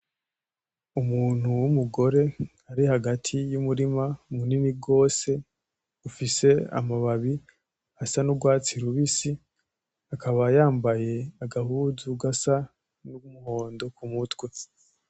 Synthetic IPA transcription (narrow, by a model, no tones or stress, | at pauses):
umuːn̥huwumuɡo̞ɾe̞ | aɾihaɡatʰijumuɾimamuniniɡo̞ːse̞ | ufise̞a̰maβaβi | asanuɡwaːt͡siɾuβisi | akʰaβajaːmbaje̞aɡahuzuɡasa | nuumuho̞ːndo̞kumutwe